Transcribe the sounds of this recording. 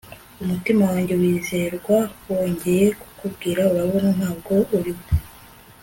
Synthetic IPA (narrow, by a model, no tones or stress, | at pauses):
umutimawaːɲɟe̞wiːze̞ɾɡwawo̞ːɲɟe̞je̞ku̥kubɡiːɾauɾaβo̞nan̥haːbɡo̞ʔuɾiβo